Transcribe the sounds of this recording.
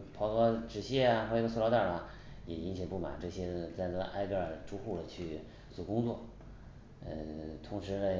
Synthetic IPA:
pʰɑ˧˥ʊkɤ˧˥ʈ͡ʂɻ̩˨˩ɕjɛ˥˩a˨˧xwɔ˥˩˧ɡə˧s̬u˥˧lɑ˧˥t̪a˥˩lɐ˩ | jɛ˨˩i˧˥ŋɕjɛ˨˩ŋpu˥˩ma̰˨˩˦nʈ͡ʂɤ˥˩ɕjɛ˥t͡sa˥˧ɪnɤ˥˩ɡə̰˧ʔa˥ɪkə˥˩ʈ͡ʂu˥xu˥˩lə˩t͡ɕʰy˥˩ | t͡su˨˥˩kʊ˥ŋt͡swɔ˥˩ | ə̰˧t̪ʰʊ˧˥ŋʂɻ̩˧˥nə˧

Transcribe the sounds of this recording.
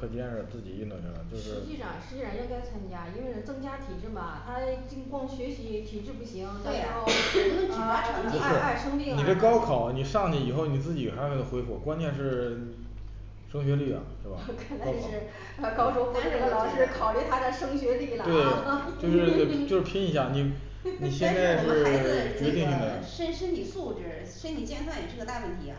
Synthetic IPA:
kʰɤ˥˩pɛ˥˧nʂ̩˥˩˧t͡sɹ̩˥˩t͡ɕi˨˩i˥˧nt̪u˥˩ŋə̰˧˥˩ə˩t͡ɕjo˥˧ʊʂɻ̩˧˥˩t͡ɕi˥˩ʂɑ˨˩ŋʂɻ̩˧˥i˥˧˩a˧˥nɻə˥˩nt͡sa˥˩t͡sʰwa˧˥nt͡ɕja˥i˥nwe˥˧ɪn˧˩t͡sɤ˥˩˧ŋt͡ɕja˥t̪ʰi˨˩ʈ͡ʂɻ̩˥˩bɐ˩t̪ʰa˥t͡ɕi˥˩ŋkwɑ˥˩ŋɕɥɛ˧˥ɕi˧˥t̪ʰi˨˩ʈ͡ʂɻ̩˥˧pu˥˩ɕi˧˥ŋt̪a˥˩ɻa˧˥xo˥˩˥ | a˥˩ə˧˥pu˧˥a˧ʂɻ̩˥˧a˥˩ɪʂɤ˥ŋpi˥˧ŋni˨˩ʈ͡ʂə˥˩kɑ˥ʊkʰɑ˨˩˦ʊni˨˩ʂɑ˥˩ŋt̪i˧˩i˨˩xo˥˩ʊni˨˩t͡sɹ̩˥˩t͡ɕi˨˩xa˧˥˧kʰe˥˩ə˩xwe˥ɪfwɔ̰˧˥kwa˥nt͡ɕʰjɛ˥˧nʂɻ̩˥˧i˨ | ʂɤ˥ŋɕ̬ɥɛ˧˥li˥˩ɐ̰˩ʂwe˥˩bɐ̰˨˩kʰə˨˩n˥ɻ̩˥˩˧ | kɑ˥ʊʂwɔ˥pu˧˥˧lɑ˨˩˥ʊ˧ʂɻ̩˥˧kʰɑ˨˩ʊli˥˩t̪ʰa˥d̪ə˨˧ʂɤ˥ŋɕɥɛ˧˥li˥˩lt̪we˧˥˩ɪ˧t͡ɕjo˥˧ʊʂɻ̩˥˧t̪e˥˩jo˥˧ʊʂɻ̩˥˩pʰi˥ni˧˥ɕja˥˩ni˨˩ | ni˨˩ɕjɛ˥˧nt͡sa˥˧ɪ˧o˥˩t͡ɕɥɛ˧˥t̪i˥˧ŋi˨˩d̪ə˧ʂə˥nʂə˥nni˨˩su˥˩ʈ͡ʂɻ̩˨˩ | ʂə˥nnʰi˨˩t͡ɕjɛ˥˧nsʰa˥˩i˨˩ʈ͡ʂɤ˥˩ɡə˩t̪a˥˧pwɛ˥˩nt̪ʰi˧˥a˧

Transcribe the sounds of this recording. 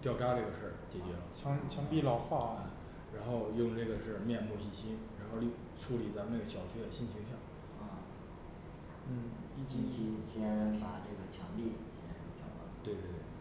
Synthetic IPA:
t̪jɑ˥˧˩ʊʈ͡ʂa˥ʈ͡ʂɤ˥˩ɡə˩ʂə˞˥˩t͡ɕjɛ˨˩t͡ɕɥɛ˧˥lə̰˧t͡ɕʰɑ˥ŋt͡ɕʰjɑ˥ŋpi˥˧lɑ˥˧ʊxwa˥˩ɐ˩ | ɻa˧˥nxo˥˧ʊjʊ˥˧ŋʈ͡ʂɤ˥˩ɡə˩ʂɻ̩˥˧mjɛ˥˧nmu˥˧ɕi˥˩ɕi˥nɻa˧˥nxo˥˧ʊl | ʈ͡ʂʰu˥li˨˩t͡sa˧˥mə˧na˥˩ɡə˩ɕjɑ˨˩ʊt͡ɕʰɛ˥d̪ə˨˩ɕi˥˩nt͡ɕʰi˧˥ŋɕ̬jɑ˥˩ŋ˥˧˩ | n̩˥˩i˥˩t͡ɕi˥˩t͡ɕi˥˩ɕjɛ˥npa˨˩ʈ͡ʂɤ˥˩ɡə˩t͡ɕʰjɑ˧˥ŋli˥˩˨ɕjɛ˥n˥˩ʈ͡ʂɑ̰˧˨˩t̪we˥˧ɪt̪we˥˩˥

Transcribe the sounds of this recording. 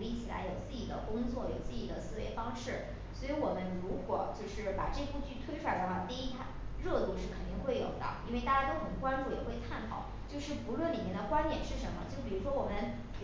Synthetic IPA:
i˥˩t͡ɕʰi˨˩la̰˧˥ɪjo˨˩ʊt͡sɹ̩˥˩t͡ɕi˨˩d̪ə̰˦kʊ˥ŋt͡swɔ˥˩jo˨˩ʊt͡sɹ̩˥˩t͡ɕi˨˩d̪ə˦sɹ̩˥˧we˧˥ɪfɑ˥ŋʂɻ̩˥˩ | swɔ˧˥i˧˥wɔ˨˩mə˦nɻu˧˥kwɔ˨˩˦t͡ɕjo˥˧ʊʂɻ̩˥˩pa̰˨˩ʈ͡ʂɤ˥˧ku˥˧t͡ɕy˥˩t̪ʰwe˥ɪʈ͡ʂʰu˥a˧˥d̪ə˧xwa˥˩t̪i˥˧i˥t̪ʰa˥˩ɻɤ˥˧t̪u˥˧ʂɻ̩˥˩kʰə˨˩nt̪i˥˧ŋxwe˥˩ɪjo̰˨˩ʊd̪ə̰˦i˥nwe˥˧ɪt̪a˥˩t͡ɕja˥t̪o˥ʊxə˨˩nkwa˥nʈ͡ʂu˥˩jɛ˨˩xwe˥˧ɪkʰa˥˩nt̪ʰɑ˨˩˦ʊt͡ɕjo˥˧ʊʂɻ̩˥˩pu˧˥lwə˥˩nli˨˩mjɛ˥˩nd̪ə˧kwa˥nt̪jɛ˨˩nʂɻ̩˥˩ʂə˧˥nmə̰˧t͡ɕjo˥˩ʊp̬i˨˩ɻu˧˥ʂwɔ˥wɔ˨˩mə˦n

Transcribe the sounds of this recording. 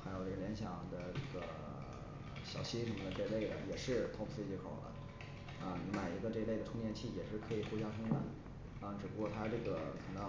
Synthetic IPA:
xa˧˥ɪjo˨˩ʊʈ͡ʂɤ˥˩ljɛ˧˥nɕjɑ˨˩ŋd̪ə˦ʈ͡ʂɤ˥˩ɡə̰˩ | ɕjɑ˨˩ʊt͡ɕʰi˥ʈ͡ʂʰu˧˥˩d̪ə˧ʈ͡ʂɤ˥˧le˥˩ɪd̪ə̰˩jɛ˨˩ʂɻ̩˥˧t̪ʰo˥˧pʰfe˥˧˩t͡ɕi˧˥kʰo˨˩ʊlə̰˦ | a˥˧ni˧˥ma˨˩ɪi˧˥ɡə˧ʈ͡ʂɤ˥˧le˥˩ɪə˩ʈ͡ʂʰʊ˥ŋt̪jɛ˥˧nt͡ɕʰi˥˩jɛ˨˩ʂɻ̩˥˩kʰɤ˧˥i˨˩xu˥t͡ɕja˥ʊʂʰɤ˥ŋma˥˩n | ɑ˥˧ni˩ʈ͡ʂɻ̩˨˩pu˥kwɔ˥˩t̪ʰa˥ʈ͡ʂɤ˥˩ɡə˩kʰə˨˩ŋt̪ɑ˥˩

